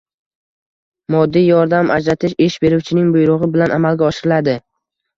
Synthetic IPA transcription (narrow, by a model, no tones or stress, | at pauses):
mɒd̪ːijjɒɾd̪amʔa̰d͡ʒɾat̪ʰɪʃeʃbe̞ɾuwt͡ʃʰɪnɪŋbʊjɾʊʁɨɪbɪlanamalˠɡʲaɒʃɪɾɪlad̪ɪ